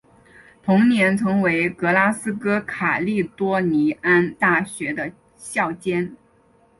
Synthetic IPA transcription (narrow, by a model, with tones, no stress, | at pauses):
t̪ʰʊ˧˥ŋnjɛ˧˥nt͡sʰɤ˧˥ŋwe˧˥ɪkɤ˧˥la˥sɹ̩˥kɤ˥kʰa˨˩li˥˩t̪wɔ˥ni˧˥a˥nt̪a˥˩ɕɥɛ˧˥d̪ə˧ | ɕjɑ˥˩ʊt͡ɕjɛ˥n